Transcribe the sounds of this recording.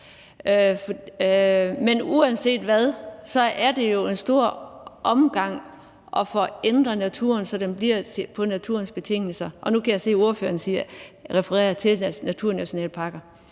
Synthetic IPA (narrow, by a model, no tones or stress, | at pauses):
f | menuænse̝̰ːd̥ʋæðˠsɒ̽ʔæɐd̥e̝jo̝e̝nsd̥o̝ɐ̰ʔɒ̽mɡ̥ɑ̈ŋ̰ | ʔɒ̽fɒ̽end̥ʁɐnæt͡sʰṵɐnsɒ̽d̥emb̥liɐ̰t͡sʰepʰɒ̽næt͡sʰuɐ̰nsb̥e̝t͡sʰe̝ŋ̰l̩sɐʔɒ̽nukʰæjäse̝̰ːoɐføːɐnsiɐʁɛfəʁɛ̰ːɐt͡sʰe̝lnæt͡sʰuɐ̰næɕo̝nɛ̰ːləpʰɑ̈ːɡ̥ɐ